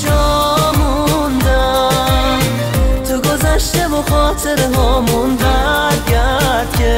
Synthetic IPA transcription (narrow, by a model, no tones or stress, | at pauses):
d͡ʒɔmund̪a | t̪ʰoɡozaʃt̪ebɔχɔːt̪ʰeɾɦɔmunb̪aɾɡʲaɾd̪kʲʰe